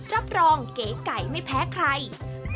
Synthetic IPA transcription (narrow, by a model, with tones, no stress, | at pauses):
ɾa˦˥p̚ɾɔː˧ŋkeː˩˦ka˨˩jma˥˩jpʰɛː˦˥kʰɾa˧j